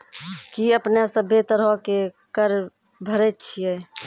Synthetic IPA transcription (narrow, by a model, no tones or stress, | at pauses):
kiəpnasəbʱet̪ɾɦɔke | kəɾ | bʱəɾɛt̪t͡ʃʰijɛ